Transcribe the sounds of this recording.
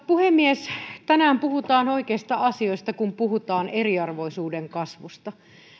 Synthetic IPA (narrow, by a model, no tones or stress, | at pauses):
puhemːiest̪ænæːmpuhut̪ɑːnoikeːst̪ɑɑsioist̪ɑkumpuɦut̪ɑːneriɑrʋoisuːdeŋkɑsʋust̪ɑ